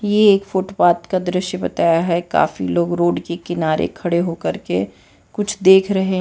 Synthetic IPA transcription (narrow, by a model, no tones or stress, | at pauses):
jeːkfoːʈopaːt̪kad̪ɾɪʃjəbɐt̪aːjaɦɛka̰ːfḭloːɡɾoːɖkekɪnaːɾʔḛkʰɐɽeɦoːkɐɾke | kʊt͡ʃʰd̪eːkʰɾɐɦeɦ